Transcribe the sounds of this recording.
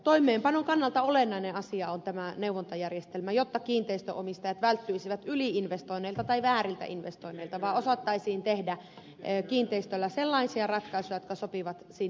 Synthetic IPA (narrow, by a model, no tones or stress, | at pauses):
t̪oimːˑeːmpɑnoŋkɑnːɑlt̪ɑolenːɑineʔɑsiɑont̪æmæneuʋont̪ɑjærjest̪elmæjot̪ːɑkiːnt̪eist̪ø̰ʔomist̪ɑjɑt̪ʋælt̪ːyisiʋæt̪ʔyliinʋest̪oinːeilt̪ɑt̪ɑiʋæːrilt̪æ̰ʔinʋest̪oinːeilt̪ɑʋɑːosɑt̪ːɑisiːnt̪ehdæ | kiːnt̪eist̪ølːæselːɑisiɑrɑt̪kɑisujɑjot̪kɑsopiʋɑt̪siːn